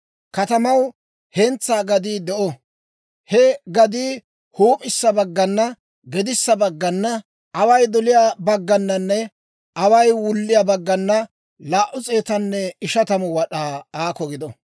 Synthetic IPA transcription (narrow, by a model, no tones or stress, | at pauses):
kɐt̪ɐmɐw | hɛnt͡sːaːɡɐd̪iːd̪ɛʔɔ | hɛɡɐd̪iː | huːpʼɪsːɐbɐɡːɐnːɐ | ɡɛd̪ɪsːɐbɐɡːɐnːɐ | ʔɐwɐjd̪ɔlɪjaːbɐɡːɐnːɐnːɛ | ʔɐwɐjwʊlːɪjɐbɐɡːɐnːɐ | laːʔʊt͡sʼeːt̪ɐnːɛɪʃɐt̪ɐmʊwɐɗaːaːkɔɡɪd̪ɔ